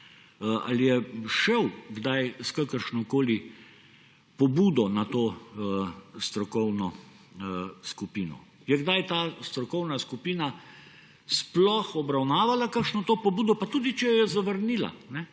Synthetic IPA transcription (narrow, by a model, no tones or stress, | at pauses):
a̰lijɛʃɛwɡd̪ajskakəɾʃnɔkoːli | pɔbuːd̪ɔnat̪oːəst̪ɾɔkɔwnɔ | skupiːnɔ̰ | jɛɡd̪ajt̪aːst̪ɾɔkɔwnaskupiːna | splɔxɔbɾawnaːʋalakakʃnɔt̪oːpɔbuːd̪ɔpat̪uːd̪it͡ʃɛjɔjɛzaʋəɾniːla̰nɛ